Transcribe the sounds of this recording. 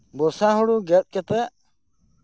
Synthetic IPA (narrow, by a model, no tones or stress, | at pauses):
bɔsaɦɔɽuɡɛt̪̚ˀkɛt̪ɛ